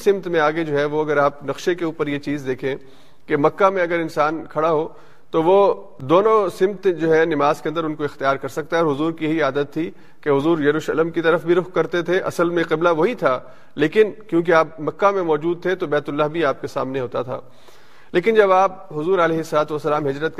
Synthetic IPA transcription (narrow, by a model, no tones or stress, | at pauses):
sɪ̃mt̪mẽaːɡed͡ʒoːɦɛʋoɐɡəɾaːp̚nɐqʃekeuːpəɾjet͡ʃiːzd̪eːkʰẽː | kemɐkːamẽɐɡəɾɪnsaːnkʰɐɽaɦoː | t̪oʋo | d̪oːnõsɪ̃mt̪d͡ʒoːɦɛnɪmaːzkeɐ̃nd̪əɾʊnkoɪxt̪ijaːɾkɐɾsɐk̚t̪aɦɛɔːɾɦʊzuːɾkijɐɦiaːd̪ət̪ʰːi | keɦʊzuːɾjɐɾuːʃələmkit̪ɐɾəfbʱiɾʊxkːɐɾt̪et̪ʰeʔɐ̰səlmẽqɪblaʋoɦit̪ʰaː | leːkɪnkjõːk̬eaːp̚mɐkːamẽmɔːd͡ʒuːd̪̚t̪ʰet̪obɛːt̪ʊlːaɦbʱiaːp̚kesa̰ːmneɦoːt̪at̪ʰa̰ː | leːkɪnd͡ʒɐbaːp̚ | ɦʊzuːɾɐlɛːɦɪsːɐlaːt̪ʋɐsːɐlaːmɦɪd͡ʒɾət̪̚